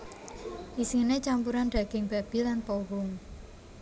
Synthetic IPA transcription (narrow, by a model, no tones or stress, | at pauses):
ʔisiŋnet͡ʃampuɾanɖ̥a̤ɡ̥ɪŋb̥a̤b̥ilanpoɦʊŋ